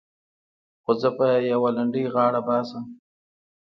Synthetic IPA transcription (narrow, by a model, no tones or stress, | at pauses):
xozəpajawalaɳɖəjɣɑːɽabɑːsəm